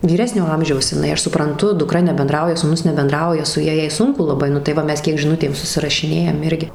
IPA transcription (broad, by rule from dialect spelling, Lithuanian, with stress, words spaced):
ʋʲiːˈrʲæːsʲnʲoː ˈɐmʲʒʲɛʊs ɪˈnɐɪ ˈɐʃ sʊprɐnˈtʊ dʊˈkrɐ nʲɛbʲɛnˈdrɐʊjɛ suːˈnʊs nʲɛbʲɛnˈdrɐʊjɛ sʊ ˈjɛ ˈjɛɪ ˈsʊŋkʊ lˠɐˈbɐɪ nʊ tɐɪ ˈʋɐ ˈmʲɛs kʲiɛk ʒʲɪˈnʊtʲeːm sʊsʲɪrɐʃʲɪˈnʲeːjɛm ˈɪrʲɡʲɪ